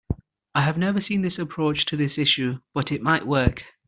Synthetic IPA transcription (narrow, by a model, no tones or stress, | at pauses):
aɪəvnɛvəsĩnðɪsəpʰɹ̥oʊt͡ʃtʰəðɪsɪʃʉb̥ʌtɪʔ̚maɪʔwɜˑ˞k